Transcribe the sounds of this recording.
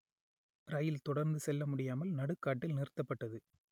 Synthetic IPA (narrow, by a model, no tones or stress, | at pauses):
ɾɐjɪlt̪ɔɽɐɾnd̪ɯsɛlːɐmʊɽɪjaːmɐlnɐɽɯkːaːʈːɪlnɪɾɯt̪ːɐpːɐʈːɐðɯ